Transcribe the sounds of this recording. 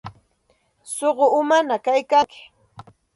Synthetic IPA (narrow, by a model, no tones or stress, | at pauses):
soɢoʊmanakajkaŋkɪ̥